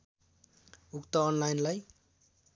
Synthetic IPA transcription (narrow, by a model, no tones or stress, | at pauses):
ukt̪ʌːnlajnlaj